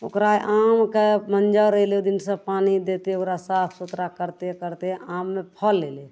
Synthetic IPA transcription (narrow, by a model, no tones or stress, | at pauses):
o̰kɾajʔamkemənd͡ʒaɾəɦiled̪insə̃panid̪et̪eokɾasat̪ʰsut̪ɾakəɾt̪ekəɾt̪eamːepʰəlːele